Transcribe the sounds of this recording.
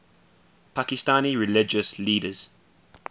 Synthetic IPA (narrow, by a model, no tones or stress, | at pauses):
pʰakɪstãniɹɪlɪd͡ʒəsliːdəz̥